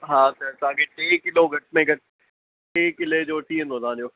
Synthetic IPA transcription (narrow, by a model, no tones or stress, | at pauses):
ɦãːsəɾsaːɡeʈeːkɪloːɡɐʈ̚mẽːɡəʈ̚ | ʈeːkɪleːd͡ʒoːt̪ʰiːɛnoːzãːd͡ʒoː